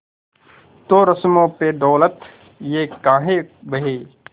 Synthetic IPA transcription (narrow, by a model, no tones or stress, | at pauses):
t̪oɾəsmõːped̪ɔːlət̪ | jeːkaːɦebəɦeː